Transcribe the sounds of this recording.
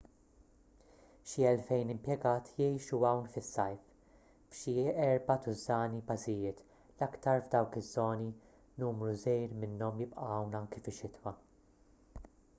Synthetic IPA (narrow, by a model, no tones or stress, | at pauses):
ʃiɛlfɛjnɪmpjɛɡɐːt̪ʰjɛjʃuɐwnfɪsːɐjf | fʃiɛɾbɐt̪ʊzːɐːnipɐzɪjɪːt̪ | lɐkt̪ɐɾvd̪ɐwkɪzːɔːni | nuːmɾuzɛjɾmɪnːɔmjɪpʔɐɐwnɐŋkifɪʃɪt̪wɐ